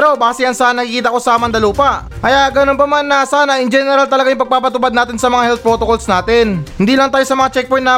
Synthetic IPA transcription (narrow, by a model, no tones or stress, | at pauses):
ɾo̞baːsɪjɐnsɐnɐkɪkiːt̪ɐko̞sɐmɐnd̪ɐluːpɐʔkɐjaʔɡɐnonpɐmanːɐsaːnɐʔɪŋd͡ʒɛnɛɾalt̪ɐlɐɡajʊŋpɐɡ̚paːpɐt̪ʊpad̪naːt̪ɪnsɐmɐŋahɛlt̪̚pɾo̞t̪okolsnaːt̪ɛnhɪnd̪iːlɐŋt̪aːjo̞sɐmɐŋat͡ʃɛk̚pojt̪nɐ